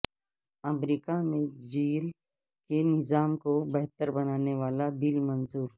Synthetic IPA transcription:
ɐmɾiːkamẽd͡ʒiːl | kenɪzaːmkobɛɦt̪əɾbɐnaːneʋaːlabɪlmɐnzuːɾ

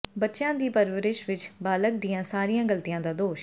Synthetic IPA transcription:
bətːʃjãːd̪iːpəɾʋəɾɪʃʋɪt͡ʃbaːlək̚d̪ɪjãːsaːɾijãːɡəlt̪ijãːd̪aːd̪oːʃ

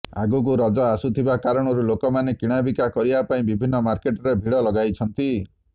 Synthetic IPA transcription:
a̰ɡuk̬uɾɔd͡ʒɔasut̪ʰibakaɾɔɽ̃ɔɾulokɔmanekiɽ̃abikakɔɾibapaĩbibʱinːɔmaɾkeʈɔɾebʱiɽɔlɔɡajt͡ʃʰɔnt̪i

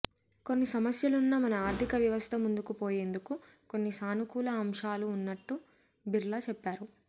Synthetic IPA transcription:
ko̞nːisɐmɐsjɐlunːɐmɐnɐaːɾt̪ʰikɐʋjɐʋɐst̪ʰɐmund̪ukupo̞ːje̞ːnd̪uku | ko̞nːisaːnukuːlɐːmʂaːluːnːɐʈːu | biɾlɐt͡ʃɛpːaːɾu

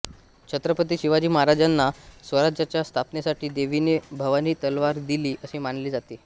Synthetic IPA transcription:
t͡ɕʰət̪ɾəpət̪iːɕiʋad͡ʑiːməɦaɾad͡ʑanːasʋəɾad͡ʑat͡ɕjast̪ʰapnjesaʈiːd̪eʋinebʱəʋaniːt̪əlʋaɾd̪iliːʔəɕiːmanliːd͡zat̪iː

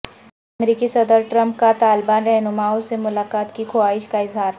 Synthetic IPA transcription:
ɐmɾiːkisɐd̪əɾʈɾə̃mp̚kat̪aːlbaːnɾɛɦnʊmaːõsemʊlaːkaːt̪kikʰoaːɪʃkaɪzɦaːɾ

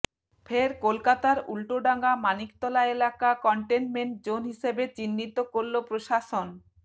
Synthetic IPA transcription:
fʰeɾkolkat̪aɾulʈoɖaŋɡamanik̚t̪ɔlaelakakɔɳʈenmeɳʈ̚d͡ʑonɦiʃebet͡ɕinːit̪okoɾlopɾoʃaʃon

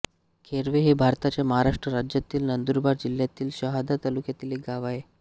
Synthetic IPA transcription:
kʰeɾʋeɦebʱaɾt̪at͡ɕjaməɦaɾaʂʈɾəɾad͡ʑjat̪iːlnənd̪uɾbaɾd͡ʑiljat̪iːlɕəɦad̪ʱat̪alukjat̪iliɡaʋae

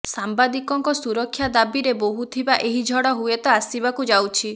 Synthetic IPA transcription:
sambad̪ikɔŋkɔsuɾɔkʰːjad̪abiɾeboɦut̪ʰibaʔeɦid͡ʒʱɔɽɔɦuet̪ɔasibakud͡ʒawt͡ʃʰi

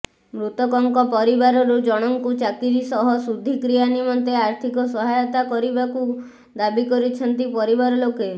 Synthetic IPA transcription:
mɾut̪ɔkɔŋkɔpɔɾibaɾɔɾud͡ʒɔɽ̃ɔŋkut͡ʃakiɾisɔɦɔsud̪ʱikɾijanimɔnt̪eaɾt̪ʰikɔsɔɦajɔt̪akɔɾibaku | d̪abikɔɾit͡ʃʰɔnt̪ipɔɾibaɾɔloke

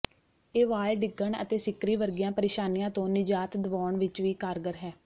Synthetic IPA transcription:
eːʋaːlɖɪɡəɳə̰t̪eːsɪkɾiːʋəɾɡɪjãːpəɾeːʃaːnijãːt̪õːnɪd͡ʒaːt̪d̪əʋɔːɳʋɪt͡ʃʋiːkaːɾɡəɾɦɛː

